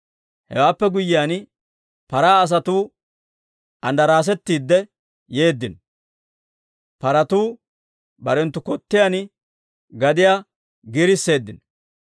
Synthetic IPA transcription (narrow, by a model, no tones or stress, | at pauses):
hɛ̰waːpːɛɡʊjːɪjaːn | pɐɾaːɐs̬ɐt̪uː | ʔɐnd̪ɐɾaːs̬ɛt̪ːiːd̪ːɛ | je̞ːd̪ːɪn | pɐɾɐt̪uː | bɐɾɛnt̪ːʊkɔt̪ːɪjan | ɡɐd̪ɪja | ɡɪɾɪsːe̞ːd̪ːɪn